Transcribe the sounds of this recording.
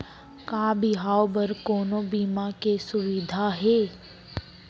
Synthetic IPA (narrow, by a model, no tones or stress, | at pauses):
kaːbiɦaːwbəɾkoːnõbiːmakesʊʋɪd̪ʱaɦeː